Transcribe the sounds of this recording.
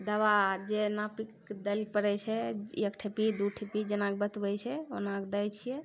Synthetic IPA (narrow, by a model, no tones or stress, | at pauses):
d̪əbad͡ʒenapik | d̪əlipəɾɛt͡ʃʰɛekʈʰepid̪uʈʰepid͡ʒenak̚bət̪bɛjt͡ʃʰɛo̰nakd̪əjt͡ʃʰijɛ